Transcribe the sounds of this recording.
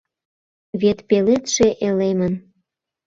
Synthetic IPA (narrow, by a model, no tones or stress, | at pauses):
βet̪pelet̪ʃeʔelemən